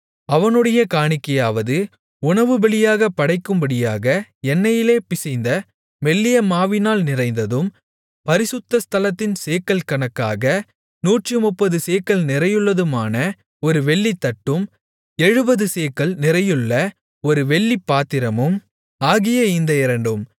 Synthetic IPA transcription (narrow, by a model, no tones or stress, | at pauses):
ɐʋɐnɯɽɐjɐkaːɳɪkːɐjaːʋɐðɯ | ʊɳɐʋɯbɐɭɪjaːɣɐpːɐɽɐɪkːɯmbɐɽɪjaːɣɐɛnːɐjɪleːpɪsɐɪnd̪ɐ | ʋɛɭːɪjɐmaːʋɪnaːlnɪrɐɪnd̪ɐðɯm | pɐɾɪsɯt̪ːɐst̪ɐlɐt̪ːɪnseːkːɐlkɐɳɐkːa̰ːɣɐ | nuːʈrɯmʊpːɐðɯseːkːɐlnɪɾɐjɯɭːɐðɯmaːnɐ | ɔɾɯʋɛɭːit̪ːɐʈːɯm | ɛɻɯbɐðɯseːkːɐɭnɪrɐjɯɭːɐ | ɔɾɯʋɛɭːipːaːt̪ːɪɾɐmɯm | aːɣɪjɐɪnd̪ɐɪɾɐɳɖɯm